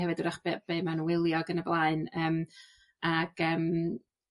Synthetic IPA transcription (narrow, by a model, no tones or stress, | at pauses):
hɛvɨdədaχbb̥eːmanwɪlˠjɔɡənəblˠaɨnəːm | aɡ̥əːm